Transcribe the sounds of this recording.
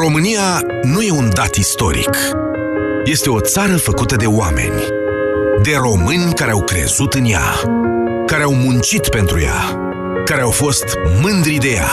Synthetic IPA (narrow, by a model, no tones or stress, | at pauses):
ɾo̞mɨnija | nuje̞und̪at̪ist̪o̞̰ɾḭk | je̞st̪e̞o̞t̪saɾəfəkut̪əd̪e̞oame̞̰nʲ | d̪e̞ro̞mɨnʲkaɾe̞awkɾe̞̰zut̪ɨnja̰ | kaɾeawmunt͡ʃit̪pe̞nt̪ɾuja̰ | kaɾe̞awfo̞st̪mɨnd̪ɾid̪e̞ja̰